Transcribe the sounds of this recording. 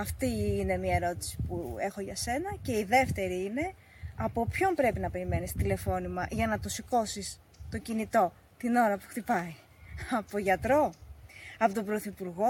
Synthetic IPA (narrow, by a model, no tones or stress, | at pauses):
ɐft̪iːne̞miɐeɾo̞t̪i̥si̥pue̞xo̞ʝɐse̞nɐce̞iðe̞ft̪e̞ɾiine̞ | ɐpo̞pço̞mpɾe̞pinɐpe̞ɾime̞nist̪ile̞fo̞nimɐʝɐnɐt̪o̞siko̞sis | t̪o̞cinit̪o̞ | t̪ino̞ɾɐpu̥xt̪ipɐi | ɐpo̞ʝɐt̪ɾo̞ | ɐpo̞t̪o̞bɾo̞θipuɾɣo̞